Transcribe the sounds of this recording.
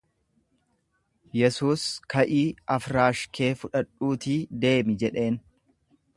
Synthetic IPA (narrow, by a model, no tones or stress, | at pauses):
jɛsuːskɐʔiːɐfɾaːʃke̞ːfʊᶑɐᶑʼːuːt̪iːd̪e̞ːmɪd͡ʒɛᶑe̞ːn